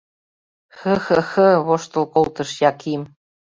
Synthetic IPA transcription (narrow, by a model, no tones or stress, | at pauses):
xɤ̆xɤ̆xɤ̆βoʃt̪ɤ̆lˠkolˠt̪ɤ̆ʃjɑkim